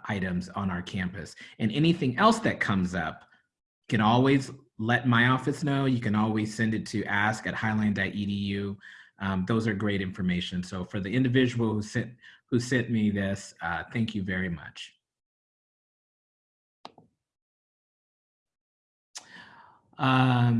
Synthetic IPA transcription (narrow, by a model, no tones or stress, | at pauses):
ʔaɪɾɨ̃mzn̩aʊə˞kʰæ̃mpɨ̰sɨ̃nɛñiθɪ̃ŋɛlˠsðɨt̚kʰʌ̃mzʌ̰p̚ | kɨ̃ɾ̃ɔlˠwiz | lɛt̚maɪɔfɨsnoʊjɨkɨ̃nɔlˠwiz̥sɛ̃ndɨtʰɨʔæskɨt̚haɪlãɪ̃ndaɪʔiɾijʉʔʌ̃mðoʊzə˞ɡɹeɪɾɪ̃ɱfə˞meɪʃɨ̃nsoʊfə˞ðiɪ̃ndɨvɪd͡ʒɨwl̩ˠhusɛ̃nhusɛ̃nmiðɪsʌθæ̃ŋkʰjɨvɛɹimʌ̰t͡ʃ | ʌ